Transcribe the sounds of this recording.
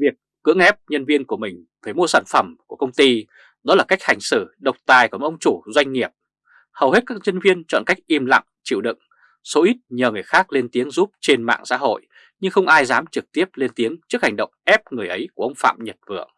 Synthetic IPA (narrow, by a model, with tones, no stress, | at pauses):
vi˨˩əkːɨ̰˧˥əŋʔɛ˦˥p̚ɲə˧nvi˧ənku˧˩əmï˨˩ŋ̟ | faː˧˩jmu˧saː˧˩nfə˧˩mku˧˩əkə˧wŋ͡mt̪i˧ | ɗɔ˨˦laː˨˩ka˦˥jk̚ha˨˩ŋ̟sɨ˧˩ɗə˨˩wk͡p̚t̪aː˨˩jkːʔə˧wŋ͡mt͡ɕu˧˩zwa˧jŋ̟ŋi˨˩əp̚ | hə˨˩whe˦˥t̚kaː˦˥k̚ɲə˧nvi˧ənt͡ɕɔ̰˧˨nka˦˥jk̚ʔi˧mla̰˧˨ŋt͡ɕḭ˧˨wɗɨ̰˧˨ŋ | so˨˦ʔi˦˥t̚ɲəː˨˩ŋɨ˨˩əjxaː˦˥k̚le˧nt̪i˨˦əŋzu˦˥p̚t͡ɕe˧nma̰ː˧˨ŋsa̰ː˧˥ɦo̰˧˨j | ɲɨ˧ŋxə˧wŋ͡mʔaː˧jzaː˨˦mt͡ɕɨ˨˩k̚t̪i˦˥əp̚le˧nt̪i˨˦əŋt͡ɕɨ˦˥ək̚ha˨˩ŋ̟ɗə̰˧˨wŋ͡mʔɛ˦˥p̚ŋɨ˨˩əjʔə˨˦jku˧˩əʔə˧wŋ͡mfa̰ː˧˨mɲə˨˩t̚vɨ̰˧˩əŋ